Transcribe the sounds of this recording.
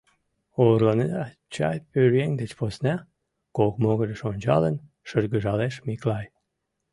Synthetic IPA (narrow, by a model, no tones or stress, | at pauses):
orlɑned̪ɑ | t͡ɕɑ̰jpyɾjeŋʲd̪ət͡ɕposnæ | kokmoɣəɾəʃonʲt͡ɕɑ̰lən | ʃərɡəʒɑleʃmiklɑj